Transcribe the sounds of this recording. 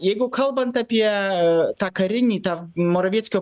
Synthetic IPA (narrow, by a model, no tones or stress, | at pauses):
jɛɡʊkʰɐlˠbɐnt̪ɐpʲiɛt̪akɐɾʲɪnʲiːt̪amɔɾɐʋʲeɛt̪ʲsʲkʲjɔ